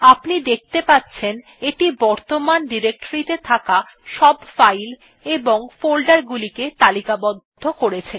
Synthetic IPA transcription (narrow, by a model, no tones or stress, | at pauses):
apnid̪ek̚t̪epatːɕʰen | eʈibɔɾt̪omanɖiɾek̚ʈoɾit̪et̪ʰaka | ʃɔbfajl | eboŋfolɖaɾɡuliket̪alikabɔd̪ʱːokoɾet͡ɕʰen